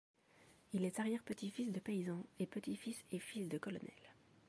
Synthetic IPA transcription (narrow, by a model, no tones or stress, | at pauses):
ilɛt̪aʁjɛʁpət̪ifisd̪əpeizɑ̃epət̪ifisefisd̪əkɔlɔ̰nɛ̰l